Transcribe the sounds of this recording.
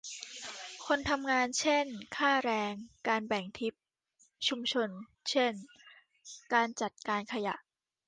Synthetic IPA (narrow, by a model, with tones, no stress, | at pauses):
kʰo˧nt̪ʰa˧mŋaː˧nt͡ɕʰe˥˩nkʰaː˥˩ɾɛː˧ŋkaː˧nbɛ˨˩ŋt̪ʰi˦˥p̚ | t͡ɕʰu˧mt͡ɕʰo˧n | t͡ɕʰe˥˩n | kaː˧nt͡ɕa˨˩t̪̚kaː˧nkʰa˧ja̰˨˩ʔ